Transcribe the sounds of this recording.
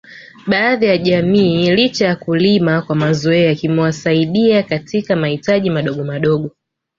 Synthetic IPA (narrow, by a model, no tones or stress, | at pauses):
ɓaːðijaʄamiːlit͡ʃajakulimakwamazɔɛjakimɛwasaiɗiakatikamahitaʄimaɗɔɠɔmaɗɔɠɔ